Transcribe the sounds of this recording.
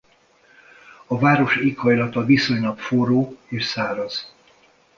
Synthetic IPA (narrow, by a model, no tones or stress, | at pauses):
ɒvaːɾo̞ʃiːkhɒjlɒt̪ɒviso̞ɲlɒpfoɾoːeːʃsaːɾɒz̥